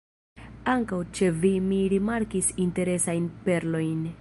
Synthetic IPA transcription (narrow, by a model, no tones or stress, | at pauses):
aŋkawt͡ʃe̞vimiɾimaɾkisinte̞ɾe̞sajnpe̞ɾlo̞jn